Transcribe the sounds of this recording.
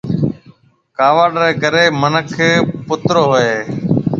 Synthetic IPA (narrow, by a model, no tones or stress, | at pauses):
kaːʋaːɖɾeːkəɾeːmənəkʰpʊt̪ɾoːɦoeː